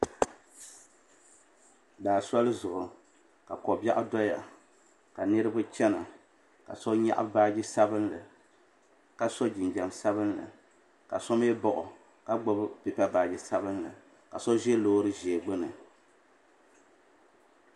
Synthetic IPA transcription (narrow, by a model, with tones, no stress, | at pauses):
daː˨sɔ˦lɨ˦zʊ˨ʔʊ˨ | ka˨kɔ˨ba˦ʔʊ˦dɔ˦ja˨ | ka˨nɨ˦ɾɨ˦bʊ˦t͡ʃɛ˦na˨ | ka̰˨sɔ˦ɲa̰˦ʔa̰˦baː˦d͡ʒi˦sa˦bɨ˦nlɨ˨ | ka˦so˦d͡ʒi˨nd͡ʒa˨msa˦βɨ˦nlɨ̰˨ | ka̰˨sɔ˦m˦ɛ˦bɔ˦ʔʊ˨ | ka˦ɡ͡bo˦bpɪ˨pa˦baː˨d͡ʒi˦sa˦bɨ˦n˦lɨ̰˨ | ka˨so˦ʒɛ˦loː˦ɾɨ˦ʒɛ˨ɛ˨ɡ͡bɨ˦nɨ˨